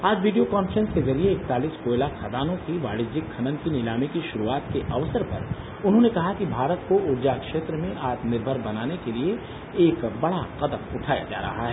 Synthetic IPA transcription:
aːd͡ʒʋiːɖijokaːnfəɾə̃nskezɐɾieːk̚t̪aːliːskoːɪlaxɐd̪aːnõkiʋa̰ːɽɪd͡ʒɪkʰːɐnə̃nk̪inɪlaːmikiʃʊɾuaːt̪keʔɐʋsəɾpɐ̰ɾ | ʊnɦõnekɐɦakibʱaːɾət̪koʔʊɾd͡ʒakʃeːt̪ɾəmẽʔaːt̪nɪɾbʱəɾbɐnaːnekelie | eːkbɐɽaqɐd̪əmʊʈʰaːja̰d͡ʒa̰ːɾɐ̰ɦa̰ɦɛː

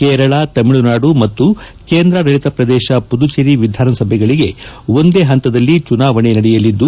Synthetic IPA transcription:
kɛːɾɐɭat̪ɐmiɭunaːɽumɐt̪ːukeːnd̪ɾɐɡɐɭit̪ɐpɾɐd̪ɛːʃɐpud̪ut͡ʃeɾiʋid̪ʱaːɾɐnɐsɐbʱɛɡɐɭiɡe̞o̞nd̪eːɦɐnt̪ɐd̪ɐlːit͡ʃunaːʋɐɳenɐɽɛjɐlːid̪ːu

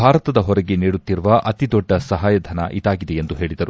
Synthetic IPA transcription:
bʱaːɾɐt̪ɐd̪ɐɦɔɾɛɡeniːɽut̪ːiɾuʋɐʔɐt̪id̪ɔɖːɐsɐɦaːjɐd̪ʱɐnɐ̰ʔid̪aːɡid̪e̞end̪uɦe̞ːɭid̪ɐɾu

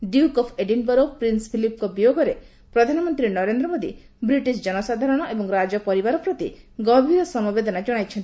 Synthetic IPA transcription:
ɖjukɔpʰeɖinbɔɾopɾinspʰilip̚kɔbijoɡɔɾe | pɾɔd̪ʱanɔmɔnt̪ɾinɔɾend̪ɾɔmod̪ḭ | bɾiʈisd͡ʒɔnɔsad̪ʱaɾɔɽ̃ɔʔebɔŋɾad͡ʒɔpɔɾibaɾɔpɾɔt̪ḭɡɔbʱiɾɔsɔmɔbed̪ɔnad͡ʒɔɽ̃ajt͡ʃʰɔnt̪i̥

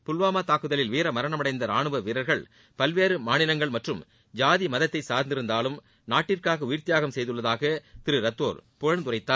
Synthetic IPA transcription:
pʊlʋaːmaːt̪aːkːɯðɐlɪlʋiːɾɐmɐɾɐɳɐmɐɽɐɪnd̪ɐɾaːɳɯʋɐʋiɾɐɾɣɐɭ | pɐlʋeːɾɯmaːnɪlɐŋɡɐɭmɐʈrɯm | d͡ʒaːðimɐðɐt̪ːɐɪsaːɾnd̪ɪɾɯnd̪aːlɯm | naːʈːɪrkaːɣɐʊjɪɾt̪ɪjaːɣɐmsɛjðɯɭːɐðaːɣɐt̪ɪɾɯɾɐt̪ːoːɾpʊɻɐɳt̪ʊrɐɪt̪ːaːɾ

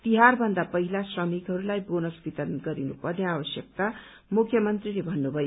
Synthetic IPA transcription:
t̪iɦarbʱʌnd̪apʌɦilasrʌmikɦʌɾulajbonʌsbit̪ʌnɡʌɾinupʌrneabʌsjʌk̚t̪a | mukʰjʌmʌnt̪rilebʱʌnːubʱʌjo

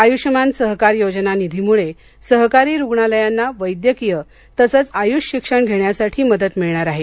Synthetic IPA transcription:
ajuɕmansəɦkaɾjod͡znanid̪ʱimuɭe | səɦkaɾiːɾuɡɳaləjanːaʋəjd̪jəkijə | t̪əsət͡sajuɕɕikʂəɳɡʱeɳjasaʈʰiːməd̪ət̪miɭɳaɾaɦe

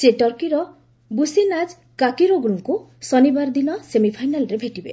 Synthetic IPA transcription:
seʈɔɾkiɾɔ | businad͡ʒ | kakiɾoɡuɾuŋku | sɔnibaɾd̪inɔsemipʰajnalɔɾebʱeʈibḛ

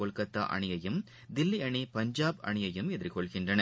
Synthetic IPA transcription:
ɔɭkɐt̪ːa̰ːʔɐ̰ɳɪjɐjɯm | d̪ɪlːiɐɳipɐɲd͡ʒaːbɐ̰ɳɪjɐjɯmɛðɪɾkɔɭɣɪndrɐnɐ

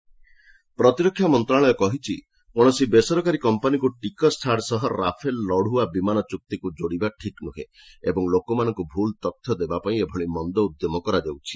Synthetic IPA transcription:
pɾɔt̪iɾɔkʰːjamɔnt̪ɾaɭɔjɔkɔɦit͡ʃʰi | oɽ̃ɔsibesɔɾɔkaɾikɔmpanikuʈikɔsʈʰaɾsɔɦɔɾa̰pʰelːɔɽ̤uabimanɔt͡ʃuk̚t̪ikud͡ʒoɽibaʈʰiknuɦḛ | ebɔŋlokɔmanɔ̃ŋkubʱult̪ɔt̪ʰjɔd̪ebapaĩebʱɔɭ̃imɔnd̪ɔud̪jɔmɔkɔɾad͡ʒewt͡ʃʰi̥

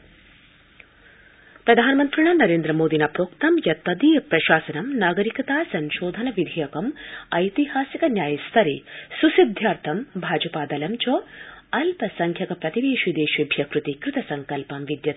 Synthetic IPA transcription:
pɾɐd̪ʱaːnɐmɐnt̪ɾiɳanɐɾeːnd̪ɾɐmoːd̪inaːpɾoːkt̪ɐmjɐt̪ːɐd̪iɐpɾɐʃaːsɐnɐmnaːɡɐɾikɐt̪aːsɐɲʃoːd̪ʱɐnɐʋid̪ʱijɐkɐmɐjt̪ihaːsikɐnjaːjɐst̪ʰɐɾisusid̪ʱjaːɾt̪ʰɐmbʱaːd͡ʒɐpaːd̪ɐlɐmt͡ʃoːɐlpɐsɐŋkʰjɐkɐpɾɐt̪iʋeːʃid̪eːʃibʱjɐkɾut̪ikɾɪt̪ɐsɐŋkɐlpɐmʋid̪jɐ

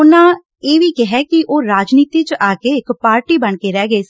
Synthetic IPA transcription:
ʊnãː | eːʋiːkɛɦɛːkɪʔoːɾaːd͡ʒniːt̪iːt͡ʃʔaːkeːɪkpaːɾʈiːbəɳkeːɾɛːɡeːs

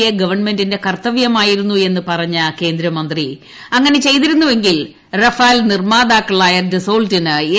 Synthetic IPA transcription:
jɐɡɐʋɐrɳme̞ndinde̞kɐrt̪ɐʋjɐmaːjiɾunːue̞nːɨpɐrɐɲːɐke̞ːnd̪ɾɐmɐnd̪ri | ɐŋːɐne̞t͡ɕe̞jt̪̬iɾunːuʋe̞ŋɡil | rɐfaːlnirmaːd̪aːkːɐɭaːjɐdiso̞ːɭtinɨe

